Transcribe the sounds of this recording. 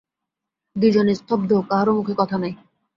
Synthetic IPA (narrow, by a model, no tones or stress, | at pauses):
d̪ud͡ʑonest̪ʰɔb̚d̪ʱokaɦaɾomukʰekɔt̪ʰanaj